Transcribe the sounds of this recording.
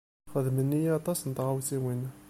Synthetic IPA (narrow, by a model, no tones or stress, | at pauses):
χəðmənːijɑt̪ˤɑsnət̪ʁawθiwin